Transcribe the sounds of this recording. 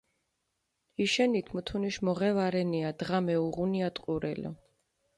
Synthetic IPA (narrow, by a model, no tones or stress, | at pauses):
iʃɛnit̪ʰmut̪ʰuniʃmɔʁɛvaɾɛniad̪̥ʁamɛuʁuniat̪ʼqʼuɾɛ̰lɔ̰